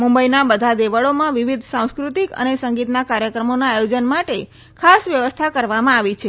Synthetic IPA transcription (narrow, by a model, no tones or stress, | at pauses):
mũmbəinabəd̪ʱad̪eʋəɭomãʋiʋid̪ʱsãw̃skɾut̪ikə̰nesəŋɡit̪nakaɾjəkɾəmonaːjod͡ʒənmaʈe | kʰasʋjəʋəst̪ʰakəɾʋamãaʋit͡ʃʰe